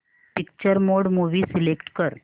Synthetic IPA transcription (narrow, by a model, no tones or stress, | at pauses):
pɪk̚t͡ʃəɾmoɖmuːʋisilekʈkəɾ